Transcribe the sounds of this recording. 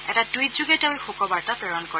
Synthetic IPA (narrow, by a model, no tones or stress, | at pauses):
ɛtadujtzuɡetaojxokɔbaɹtapɹɛɹɔnkɔ